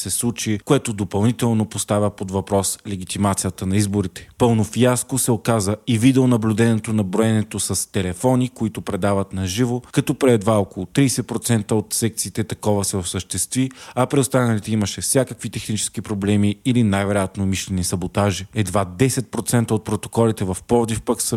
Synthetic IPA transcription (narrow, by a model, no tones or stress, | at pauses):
sɛslˠut͡ʃikoɛt̪od̪opɐlˠnit̪ɛlˠnopost̪avʲəpod̪vɐpɾɔslɛɡ̟it̪imat̪sijət̪ənɐizboɾit̪ɛ̥pɤlˠnofjaskosɛokazəivid̪ɛonɐblʲud̪ɛnɛt̪onɐbɾoɛnɛt̪osɐst̪ɛlɛfɔnikoit̪opɾɛd̪avɐt̪nɐʒivokɐt̪ɔpɾɛd̪vaokolˠot̪ɾijsɛpɾot̪sɛnt̪əot̪sɛk̚t̪siːt̪ɛt̪ɐkɔvəsɛofsəʃt̪ɛst̪viɐpɾɛost̪anɐlit̪ɛiməʃɛfsʲjakəkvit̪ɛxnit͡ʃɛ̥sk̟ipɾoblɛmiːlinajvɛɾojat̪nomiʃlɛnisɐbot̪aʒiɛd̪vad̪ɛsɛt̪̚pɾot̪sɛnt̪əot̪̚pɾot̪o̥kɔlit̪ɛvɐfpɔɾd̪ifpəksə